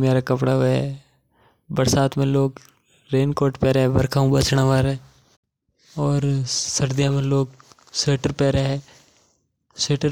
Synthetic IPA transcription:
meːɾakɐpɽaɦoɛ̰ | bəɾsaːt̪ʰmẽloːɡ | ɾeːnkoːɾʈpɛːɾeɦɛ̃bəɾkʰaːũbət͡ʃɽ̃aʋaːɾɛː | ɔːɾsəɾd̪ijãmẽloːɡ | seːʈəɾpɛːɾeɦɛ̃ː | seːʈəɾ

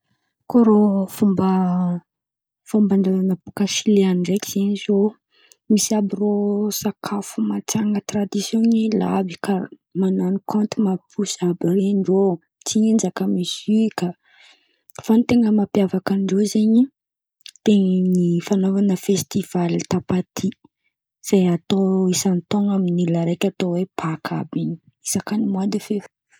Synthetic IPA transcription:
koɾofumbə | fumbanɖ͡ʐazanəpukaʃileaniɖ͡ʐekiz̥eɲizo | misiabirosakʰafumat͡saŋət̪rad̪isjonila̰bika | mananukʰõnt̪umapʰusabireɳɖ͡ʐo | t͡siind͡ʒakamisika | fanit̪eŋəmapjavakəɳɖ͡ʐozeɲi | t̪enifanovanəfest̪iv̥alit̪apat̪ʰi | z̥ajat̪oisant̪oŋaminilaɾejkʲat̪owepʰakʰabiɲi̥ | isakanimad̪ifef

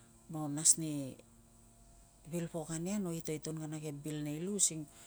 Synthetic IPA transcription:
monasni | βilpo̞kaniano̞ito̞jtunɡanaɡebilnejlusiŋ

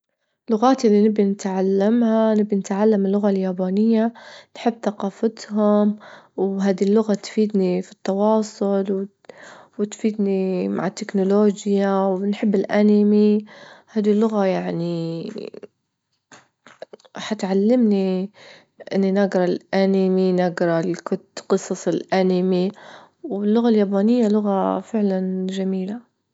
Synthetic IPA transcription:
lʊɣaːt̪ʔɪlːinɪbinɪt̪ʕalːamhanɪbːinɪt̪ʕalːamɪlːʊɣaljaːbaːnɪjːanħɪbːθaqɑːfat̪hʊmwɦaːd̪ilːʊɣat̪fiːd̪nifi̥t̪ˤːɑwɑːsˤʊlw | wɪt̪fiːd̪nima̰ʕɪt̪ːɪknʊloːd͡ʒjawnħɪbːɪlʔanɪmihaːd̪ilːʊɣajaʕni | ħat̪ʕalːɪmni | ʔɪnːinaɡɾˤɑlʔaniminaɡɾˤɑlkʊt̪qɨsˤɑsˤɪlʔanɪmi | wɪlːʊɣaljaːbaːnɪjːalʊɣafɪʕlanʒamiːla

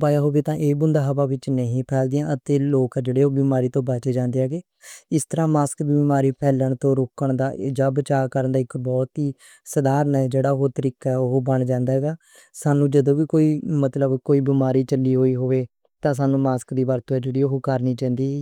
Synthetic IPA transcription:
paːjaːɦoːʋeːt̪ãːʔeːbʊnd̪aːɦəʋaːʋɪt͡ʃnəɦĩːpʰɛːld̪ɪjãːət̪eːloːkːd͡ʒeːɽeːɦoːbiːmaːɾiːt̪õːbat͡ʃeːd͡ʒãːnd̪eːaːɡeː | ɪst̪əɾãːmaːskbibmaːɾiːpʰɛːləɳt̪õːɾoːkəɳd̪aːd͡ʒaːbət͡ʃaːkəɾənd̪aːɪkbɔːt̪ɦiː | səd̪aːɾənɛːd͡ʒeːɽaːɦoːt̪əɾiːkaoɦoːbəɳd͡ʒãːnd̪aːɦɛːɡaː | saːnũːd͡ʒəd̪õːʋiːkoːiːmət̪ləbkoːiːbɪmaːɾiːt͡ʃəlːiːɦoːiːɦoːʋeː | t̪ãːs̬aːnũːmaːskd̪iːbaːɾt̪õɛːd͡ʒəɽiːoɦokəɾniːt͡ʃãːnd̪iː

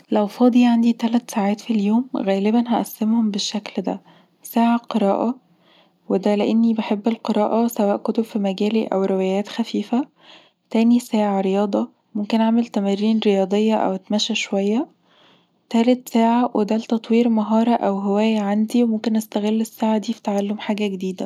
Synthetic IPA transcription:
læwfɑːd̪ˤiʕand̪it̪ælæt̪saːʕaːt̪filjoːmɣæːlebænɦæʔæsːemhombeʃːækld̪æ̰ | saːʕaqeɾɑ̰ːʔɑ | wed̪æleʔenːibeħebːelqeɾˤɑːʔɑsæwæːʔkot̪ob̥fimæɡæːliʔæ̰wɾewæjæːt̪xæfiːfæ | t̪æːnisæːʕaɾejɑːd̪ˤɑ | momkenʕamelt̪æmærːiːnɾejɑːd̪ˤejːɑʔæ̰wet̪mæʃæʃowæjːæ | t̪ælet̪sæːʕawʔed̪ælt̪ɑt̪ˤwiːɾmɑɦɑːɾˤɑʔæwɦewæːjʕand̪iwemomkenʔæst̪æɣelːesːaːʕad̪iːfi̥t̪aʕalːomħaːɡæɡed̪iːd̪æ

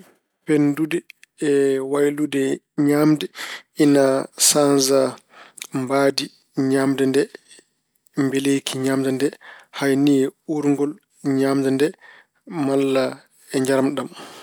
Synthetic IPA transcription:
pendudɛː | wajludɛ | ɲaːmdɛinasanza | mbaːdi | ɲamdɛndɛ | mbelejkʰiɲamd͡ʒandɛhajniɛuɾŋɡɔl | ɲamd͡ʒandɛ | malːa | ɛɲd͡ʒaɾmɗam

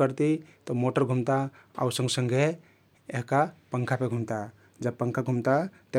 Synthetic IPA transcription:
əɾt̪it̪ɔmoʈəɾɡʱumt̪a | a̰usə̃ŋɡsəŋɡʱe | eɦkapə̃ŋkʰapeɡʱumt̪a | d͡ʒəb̚pəŋkʰaɡʱumt̪at̪e

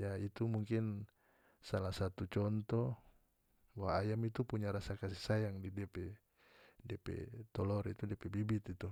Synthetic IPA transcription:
jait̪umuŋkin | salahsat̪ut͡ʃɔnt̪ɔ | waːjamit̪upuɲaɾasakasisajaŋdidiapɛ | diapɛ̰t̪ɔlɔɾit̪udiapɛbibit̪it̪u

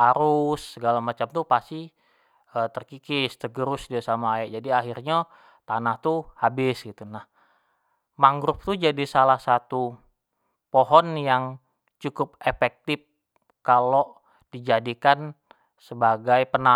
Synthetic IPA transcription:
aɾʊsːəɡalamat͡ʃamt̪upasi | ət̪ərkikɪst̪əɡəɾʊsdiasamaːjaʔd͡ʒadiaɦirɲa | t̪anaht̪uhabɪsɡit̪unah | maŋɡɾʊp̚t̪ud͡ʒadisalahsat̪u | poɦɔnjaŋ | t͡ʃukʊpefɛk̚t̪ɪp̚ | kalo | d̥id͡ʒadikan | səbaɡajpəna

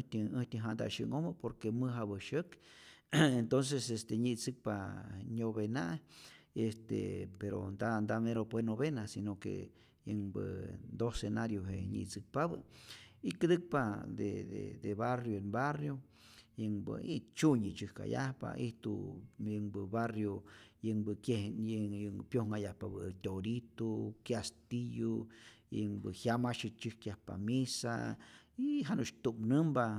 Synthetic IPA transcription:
t̪əəht̪ʲəɦand̪a̰ʃə̰ŋoməpoɾkemɨɦaβəʃək | ent̪ons̬esest̪eɲit͡sɨk̚paɲoβenaʔest̪ḛpeɾo̰nd̪and̪ameɾopwenoβenasinokḛ | jəŋbənd̪osenaɾjoɦeɲḭt͡sɨk̚paβə̰ikɨd̪ɨk̚pad̪ed̪ḛd̪eβarjoenbarjo | jɨŋbɨ̰it͡ʃuɲɨt͡ʃɨhka̰ja̰hpa̰ʔiht̪ujɨŋbɨbarjojɨŋbɨkʲehjŋpjohŋajahpabɨt̪ʲoɾit̪okjast̪ijo | jɨŋbɨhjamaʃɨt͡ʃɨhkjahpa̰misa̰iɦanut͡ʃt̪umnɨmba

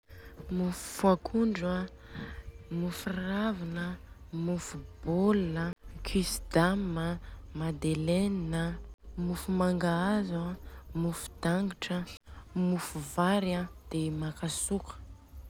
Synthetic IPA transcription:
mufu̥fuakʰuɳɖ͡ʐa | mufuravinə | mufub̥olunəkʰisd̪aməmad̪eleninəmufumaŋɡaazamufu̥d̪̥aŋɡiʈ͡ʂəmufuvaɾad̪̥emakasukʰə̥

